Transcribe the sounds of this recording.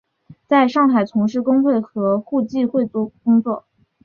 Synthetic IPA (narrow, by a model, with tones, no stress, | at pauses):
t͡sa˥˧ɪʂɑ˥˩ŋxa˨˩ɪt͡sʰʊ˧˥ŋʂɻ̩˥˩kʊ˥ŋt͡swe˥˩ɪxɤ˧˥xu˥˧t͡ɕi˥˧xwe˥˩ɪt̪u˥˩kʊ˥ŋt͡swɔ˥˩